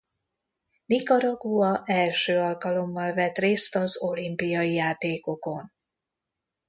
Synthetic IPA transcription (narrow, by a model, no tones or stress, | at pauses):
nikɒɾɒɡuɒʔɛlʃøːɒlkɒlo̞mːɒlvɛt̪reːst̪ɒzo̞limpijɒijaːt̪eːko̞ko̞n